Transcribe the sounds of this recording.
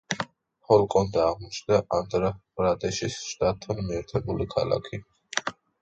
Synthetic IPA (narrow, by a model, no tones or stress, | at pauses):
hɔlˠkʼɔnd̪aːʁmɔt͡ʃʰd̪aʔand̪ɾaɾad̪ɛʃisʃt̪ʼat̪ʰːanmiɛɾt̪ʰɛbulikʰa̰lˠa̰kʰi